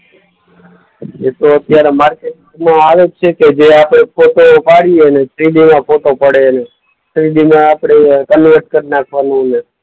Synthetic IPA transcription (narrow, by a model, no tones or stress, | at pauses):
et̪oət̪jaɾemaɾkeʈɡmãaʋet͡ʃʰeked͡ʒeapɽ̃epʰoʈopaɽienesʰɾiɖimãpʰoʈopəɽene | sʰɾiɖimãːpɽ̃ekənʋəɾʈ̚kəɾinakʰʋanũəne